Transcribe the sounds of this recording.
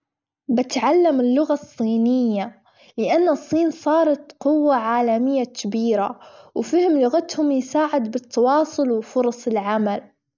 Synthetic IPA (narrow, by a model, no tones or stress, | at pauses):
bɪt̪ʕalːamɪlːʊɣasˤːiːnɪjːa | lɪʔanːɨsˤːiːnsˤɑːɾˤɑt̪qʊwːaʕaːlamɪjːakʰɪbiːɾa̰wfɪhɪmlʊɣat̪hʊmjɪsaːʕɪd̪bɪt̪ːɑwɑːsˤʊlwɪfʊɾˤɑsˤɪlʕamal